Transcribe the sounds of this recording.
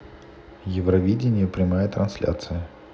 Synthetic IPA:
jɪvrɐvʲidʲɪnʲɪjəpɾʲɪmajət̪ɾɐnsʲlʲa̰t̪sɨjə

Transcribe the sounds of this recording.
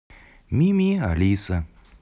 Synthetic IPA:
mimiɐ̰liːsɐ

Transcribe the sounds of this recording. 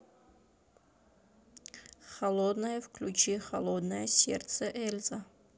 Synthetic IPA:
xɐlˠod̪nəjəfklʲut͡ʃixɐlˠod̪nəjəsʲḛrt̪səʔɛlʲzɐ

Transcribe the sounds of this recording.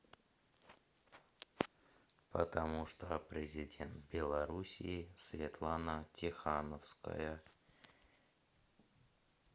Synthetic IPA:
pət̪ɐmuʂt̪opɾʲɪzʲɪdʲe̞nt̪bʲɪlˠɐɾusʲḭːsvʲɪt̪lˠanətʲɪxanəfskə̰jə

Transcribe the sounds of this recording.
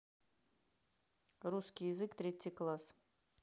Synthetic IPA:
ruskʲijɪzɨkt̪ɾʲetʲːijklˠas

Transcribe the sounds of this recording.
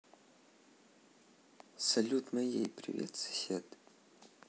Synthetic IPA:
sɐlʲut̪mɐjḛjprḭvʲḛt̪sɐ̥sʲed̪

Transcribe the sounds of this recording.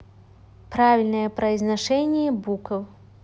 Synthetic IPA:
pɾavʲilʲnɐjɛpɾɐjznaʂɛnʲɪjɛbukɐw

